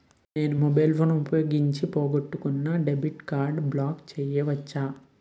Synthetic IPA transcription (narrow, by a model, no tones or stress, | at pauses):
ne̞ːnumɔbɐjlpʰoːnupɐjoːɡiɲt͡ʃipoːɡoʈːukunːɐɖebiʈkaːɾɖblaːkt͡ʃɛːjɛʋɐt͡ʃːaː